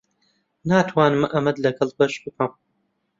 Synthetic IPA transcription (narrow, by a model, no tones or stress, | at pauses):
naːt̪ʰwaːnɨmʔɐmɐd̪lɐɡɐlˠbɐʃbɨkʰɐm